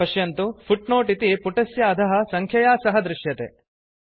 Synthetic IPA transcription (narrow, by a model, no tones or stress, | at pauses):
ɐʃjɐnt̪upʰuʈnoːʈit̪ipuʈɐsjɐːd̪ʱɐɦɐ̆sɐŋkʰjɐjaːsɐɦɐd̪ɾuʃjɐt̪ḛː